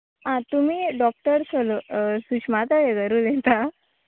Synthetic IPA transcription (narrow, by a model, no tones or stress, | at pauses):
ɦãt̪umiːɖɔk̚ʈəɾsʰɔlosukɕmat̪aɦeɡəɾuːlet̪a